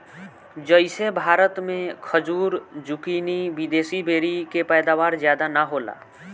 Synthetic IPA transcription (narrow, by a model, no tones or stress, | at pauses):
d͡ʒəɪsebʱaːɾət̪mẽkʰəd͡ʒuːɾd͡ʒʊkiːniʋɪd̪eːsibʱeːɾikepɛːd̪aʋaːɾzjaːd̪anaɦoːla̰ː